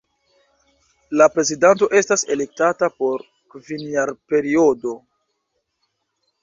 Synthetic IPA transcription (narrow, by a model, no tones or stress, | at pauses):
lapɾe̞zidanto̞ʔe̞stase̞le̞k̚tatapo̞ɾ | kvinjaɾpe̞ɾio̞do̞